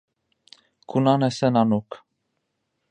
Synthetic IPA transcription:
kʰunanɛsɛnanuk

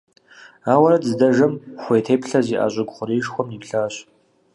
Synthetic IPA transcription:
aːwɐɾɐdzdɐʒɐmxʷejtʰeːpɬɐziːʔa̰ːɕʼɪɡʷχʷʊɾiːʒxʷɔmiːpɬaːɕʼ

